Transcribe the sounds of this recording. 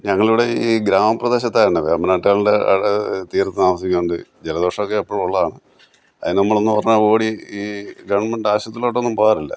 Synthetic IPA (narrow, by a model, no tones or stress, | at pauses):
ɲɐŋːɐɭiʋiɽe̞iiːɡɾaːmɐprɐd̪e̞ːɕɐt̪ːaːjɐɳɖɐʋḛɐmːɐnaːʈːaːɭɖeɐ̰t̪iːɾɐt̪ːɨnaːʋɐs̬ikʲːumuɳɖɨd͡ʑelɐðiʋɐʂɐmokːeːpːoːɭuɭːɐðaːɳɨ | ɐ̰ðinenɐmːɐɭo̞nːɨpɐrɐɲːao̞ːɽiiːɡɐʋɳmeɳɖaːɕɐt̪ːilo̞ːʈːeo̞nːumpoːjaːɾilːɐ̰